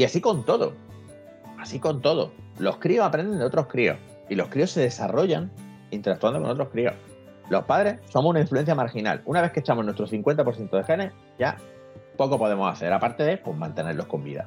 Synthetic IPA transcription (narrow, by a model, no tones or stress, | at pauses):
iasiko̞nt̪o̞ðo̰ | asiko̞nt̪o̞ðo̞̰ | lo̞hkɾio̞sapɾe̞nd̪end̪ot̪ɾo̞hkɾio̞̰h | ilo̞hkɾio̞se̞ðe̞saro̞ʝaŋ | int̪eɾak̚t̪uand̪oko̞t̪ɾohkɾio̞̰h | lo̞hpaðɾe̞sso̞mosunaiɱflue̞n̟θjamaɾxina̰lunaβe̞θket͡ʃamo̞nwe̞st̪ɾoθiŋkwe̞nt̪apoɾθjent̪oexe̞ne | ɟ͡ʝa̰ | po̞ko̞po̞ðe̞mosaθe̞ɾapaɾt̪e̞epwoɦmãnt̪e̞ne̞ɾlo̞hko̞mbḭða̰